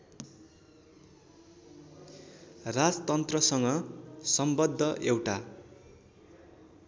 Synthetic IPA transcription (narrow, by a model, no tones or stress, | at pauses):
rad͡zʌt̪ʌnt̪rʌsʌŋɡʌsʌmbʌd̪ʱːʌʔewʈa